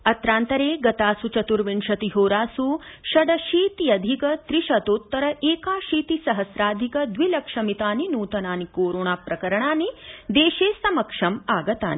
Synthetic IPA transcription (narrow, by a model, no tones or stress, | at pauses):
ɐt̪ɾaːnt̪ɐɾeːɡɐt̪aːsut͡ʃɐt̪uɾʋiɳʃɐt̪iɦoːɾaːsuʃɐɖɐʃiːt̪ijɐd̪ʱikɐt̪ɾiʃɐt̪ot̪ːɐɾɐʔeːkaːʃiːt̪isɐɦɐsɾaːd̪ʱikɐd̪ʋilɐkʂɐmit̪aːninuːt̪ɐnaːnikoːɾoːɳaːpɾɐkɐɾɐɳaːnid̪eːʃeːsɐmɐkʂɐmaːɡɐt̪a̰ːni